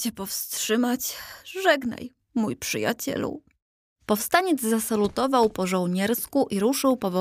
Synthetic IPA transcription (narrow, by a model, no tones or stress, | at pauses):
t͡ɕɛpɔfst̪ʂɘmat͡ɕʐɛɡna̰j | mujpʂɘ̰ja̰t͡ɕɛ̰lṵ | pɔfst̪aɲɛd̪zzasalut̪ɔvawpɔʐɔ̃wɲɛɾskuʔiɾuʂɘwpɔvɔ